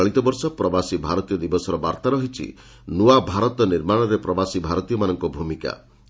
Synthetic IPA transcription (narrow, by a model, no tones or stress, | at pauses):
ɭit̪ɔbɔɾsɔpɾɔbasibʱaɾɔt̪ijɔd̪ibɔsɔɾɔbaɾt̪aɾɔɦit͡ʃʰḭ | nuabʱaɾɔt̪ɔniɾmaɽ̃ɔɾepɾɔbasibʱaɾɔt̪ijɔmanɔŋkɔbʱumika̰